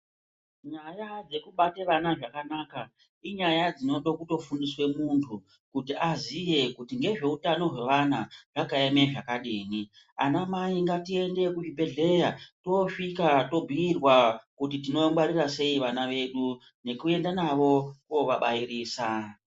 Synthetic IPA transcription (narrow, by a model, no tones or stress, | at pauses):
ɲajad͡ze̞kuɓate̞ʋanaʐakanaːka | iɲajad͡zino̞ɗo̞kuto̞fundiswe̞muntʰu | kutiazije̞kutiŋɡe̞ʐe̞utano̞ɦwe̞ʋanaʐakaeme̞ʐakaɗiːni | a̰namaiŋɡatie̞nde̞kuʒibʱe̞ɮe̞jato̞ʂikato̞bʱiiːrwakutitino̞mɡwaɾirase̞iʋanaʋe̞ɗu | ne̞kue̞ndanaʋo̞koʋaɓaiɾiːsa